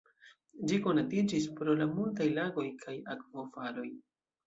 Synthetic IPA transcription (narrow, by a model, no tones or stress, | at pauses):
d͡ʒiko̞natid͡ʒis̬pɾo̞lamultajlaɡo̞jkʰajakvo̞falo̞j